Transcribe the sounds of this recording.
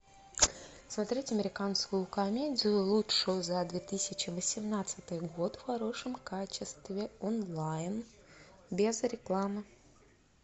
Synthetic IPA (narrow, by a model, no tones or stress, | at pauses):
smɐt̪ɾʲetʲɐmʲɪɾʲɪkanskʊjʊkɐmʲedʲɪjʊlˠuʂʊjʊzad̪vʲet̪ɨsʲɪt͡ɕɪvəsʲɪmnat̪sɨt̪ɨjɡo̞t̪fxɐɾo̞ʂɨmkat͡ɕɪst̪vʲɪonlˠajn | bʲezɾʲɪklˠamɨ